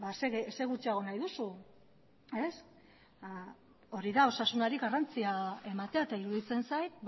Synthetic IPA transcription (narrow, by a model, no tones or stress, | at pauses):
baseɣeseɣut͡ʃiaɣ̞o̞najðusu | es | o̞ɾiðao̞sasunaɾiɣarant͡siae̞mat̪e̞aet̪aiɾuðit͡se̞nsajt̪̚